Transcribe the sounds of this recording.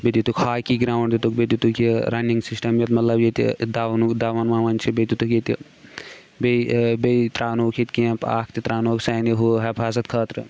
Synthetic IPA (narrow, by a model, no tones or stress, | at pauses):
bed̪ʲit̪ukʰhaːkiɡɾaːwɳɖd̪it̪uk̚bed̪ʲut̪ukʰiɾɐniŋɡsisʈɐmjɐt̪mɐt̪lɐbjet̪ḭd̪aːnukd̪aːʋɐnʋaːʋɐnt͡ʃʰibed̪ut̪ukit̪i | bebet̪ɾaːnoːkʰit̪kẽːpa̰ːk̚ʰt̪it̪ɾaːnoːksɐjniɦuɦɐbʰʱaːzɐt̪̚kʰɐːt̪ɾɨ